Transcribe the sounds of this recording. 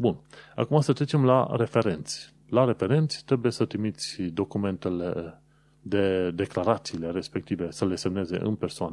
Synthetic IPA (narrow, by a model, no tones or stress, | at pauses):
buna̰kuməst̪ət̪ɾe̞t͡ʃemla̰ɾe̞fe̞ɾe̞nt̪sʲ | laɾe̞fe̞ɾent̪sʲt̪ɾe̞bujesət̪ɾimit̪sʲd̪o̞kume̞nt̪ele | d̪e̞d̪e̞klaɾat̪siːle̞ɾe̞spek̚t̪ive̞səle̞se̞mne̞ze̞̰ʔɨ̰npe̞rsoan